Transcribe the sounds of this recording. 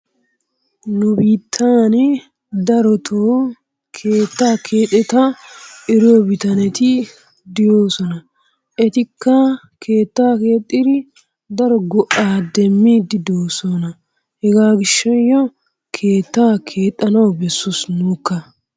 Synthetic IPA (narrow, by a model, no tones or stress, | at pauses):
nʊbiːt̪ʰːaːn | d̪ɐɾɔt̪ʰoː | kʰeːt̪ːaːkʰe̞ːt̪ʼːɛt̪ɐʔɪɾɔbɪt̪ɐnɛt̪ɪ | d̪ɪjo̞ːsɔnɐ | ʔɛt̪ɪkːɐ | kʰeːt̪ːaːke̞ːt̪ʼːɪd̪ɪ | d̪ɐɾɔɡɔʔaːd̪ɛmːiːd̪ɪd̪oːsɔnɐ | hɛɡaːɡɪʃːɐjːɔ | kʰe̞ːt̪ːaːkʰe̞ːt̪ʼːɐnɐwbɛsːʊsnuːkːɐ